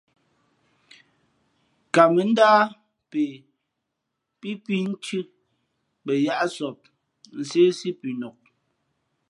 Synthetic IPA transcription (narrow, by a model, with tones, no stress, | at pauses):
ka˨mɛ˨˦n̩˦daː˦ | pe˨ | pi˦pi˦n̩˦t͡ʃʉ˦ | bɛ˨ja˦ʔsɔ˨p̚ | n̩˨se˦si˦pi˨nɔ˨k̚